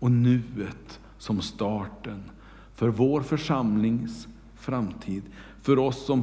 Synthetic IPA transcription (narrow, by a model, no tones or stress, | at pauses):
ɔnʉ̟ːət̪ | sɔmst̪ɑːʈən | fœɾvoːɾfœʂamlɪŋs | fɾamt̪ʰiːd̪ | fœɾɔsːɔm